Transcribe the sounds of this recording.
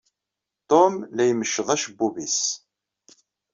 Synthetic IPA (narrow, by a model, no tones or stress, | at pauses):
t̪omlæjməʃːəðˤæʃbːuvis